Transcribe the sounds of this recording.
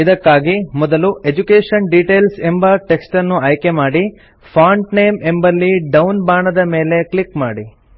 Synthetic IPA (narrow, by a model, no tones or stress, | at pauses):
id̪ɐkːaːɡimɔd̪ɐluʔe̞d͡ʒukeːʂɐnɖiʈe̞ːlse̞mbɐʈe̞ksʈɐnːuɐjke̞maːɽi | pʰaːɳʈneːme̞mbɐlːiɖɐwnbaːɳɐd̪ɐme̞ːle̞klikma̰ːɽi